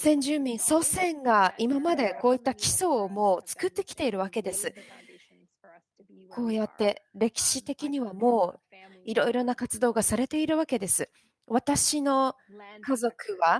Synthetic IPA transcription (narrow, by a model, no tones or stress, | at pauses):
sẽ̞ɲ̟d͡ʑɨːmʲĩɰ̃so̞ːsẽ̞ŋɡaimamad̪e̞ko̞ːit̪ːakʲi̥so̞ːmo̞ːt͡sɨ̥kɯ̟t̪ːe̞kʲi̥t̪e̞iɾɯ̟βake̞d̪e̞sɨ | kʰo̞ːjat̪ːe̞ɾe̞kʲi̥ɕi̥t̪e̞kʲiɲ̟iβamo̞ːiɾo̞iɾo̞nakat͡sɨd̪o̞ːɡasaɾe̞t̪e̞iɾɯ̟βake̞d̪e̞sɨ | βat̪aɕino̞ | kazo̞kɯ̟βa